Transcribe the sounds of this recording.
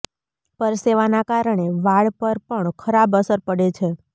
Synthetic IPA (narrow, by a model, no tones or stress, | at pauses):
pəɾseʋanakaɾəɳ̃eʋaɭpəɾpəɳkʰəɾabəsəɾpəɽet͡ʃʰe